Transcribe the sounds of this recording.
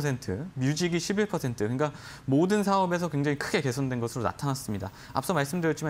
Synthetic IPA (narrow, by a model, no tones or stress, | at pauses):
sʰe̞ntʰɯmjud͡ʑiɡiɕʰibiɭpʰʌsʰe̞ntʰɯkɯɲik͈a | modɯnsʰaʌbe̞s̬ʰʌkwe̞ŋd͡ʑaŋikʰɯɡe̞ke̞sʰondwe̞nɡʌsʰɯɾona̰tʰanas͈ɯmɲida̰ | a̰p̚s͈ʌmaɭs͈ɯmdɯɾjʌtt͡ɕ͈ima